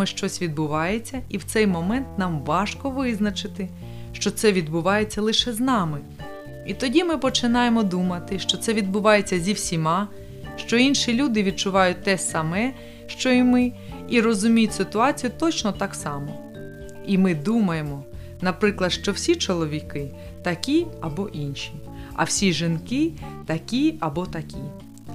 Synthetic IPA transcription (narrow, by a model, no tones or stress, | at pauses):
ɪʃt͡ʃɔsʲʋʲid̪̚bʊʋɑjet͡sʲːɐiwt̪sɛjmɔmɛnt̪nɑmʋɑʃkɔʋɪznɐt͡ʃɪt̪ɪ | ʃt͡ʃɔt̪sɛʋʲid̪bʊʋɑje̞t͡sʲːɐlˠɪʃɛznɑmɪ | it̪ɔdʲimɪpɔt͡ʃɪnɑjemɔd̪umɐt̪ɪʃt͡ʃɔt̪sɛʋʲid̪̚bʊʋɑje̞t͡sʲːɐzʲiwsʲimɑ | ʃt͡ʃɔinʃilʲud̪ɪʋʲid̪̚t͡ʃʊʋɑjʊt̚ʲt̪ɛsɐmɛ | ʃt͡ʃɔimɪ | iɾɔzʊmʲijʊtʲsɪt̪ʊɑt͡sʲijʊt̪ɔt͡ʃnɔt̪ɑksɑmɔ | imɪd̪umɐjemɔ | nɐpɾɪklˠɐd̪ʃt͡ʃɔwsʲit͡ʃɔlˠɔʋʲikɪ | t̪ɐkʲiɐbɔʔinʃʲi | ɐ̰wsʲiʒɪnkɪt̪ɐkʲiɐbɔt̪ɐkʲi